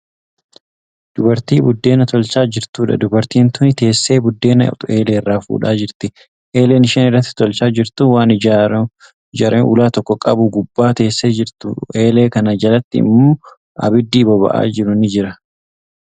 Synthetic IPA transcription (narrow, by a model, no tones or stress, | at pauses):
d̪̥ʊbɐɾt̪iːbʊd̪ːe̞ːnɐt̪ʰɔlt͡ʃaːd͡ʒɪɾt̪uːᶑɐ̰d̪ʊbɐɾt̪iːnt̪ʊnɪt̪e̞ːsːe̞ːbʊd̪ːe̞ːnɐt̪ʊe̞ːleːrːaːfṵːᶑaːd͡ʒɪɾt̪ɪ | ʔeːle̞ːnɪʃɛnɪrːɐt̪ːɪ̥t̪ɔlt͡ʃaːd͡ʒɪɾt̪ʊwaːnɪ | d͡ʒaːɾʔenʔʊ̰laːt̪ɔkːɔkʼɐbʊɡʊbːaːt̪e̞ːsːeːd͡ʒɪɾt̪ʊe̞ːle̞ːkɐnɐd͡ʒɐlɐt̪ːɪɪ̰mːoː | ɐ̰bɪd̪ːiːbɔbɐ̰ʔa̰ːd͡ʒɪɾʊnɪd͡ʒɪɾɐ